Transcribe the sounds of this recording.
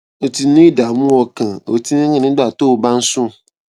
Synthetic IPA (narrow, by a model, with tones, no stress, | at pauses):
o˨tʰi˨nʊ̃˦i˦da˨mũ˦ɔ˨kʰã˨o˨tʰi˦nʊ̃˦ɲɪ̃˨nɪ̃˦ɡ͡ba˦˨to˦˨bã˦n̩˦sʊ̃˦˨